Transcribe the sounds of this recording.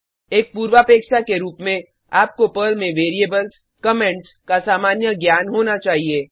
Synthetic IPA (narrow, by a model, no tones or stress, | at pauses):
eːk̚puːɾʋaːpeːkʃakeɾuːpmẽ | aːp̚kopəlmẽʋeːɾieːbəls | kəmɛ̃ɳʈskasaːmaːnjəɡjaːnɦoːnat͡ʃaːɦieː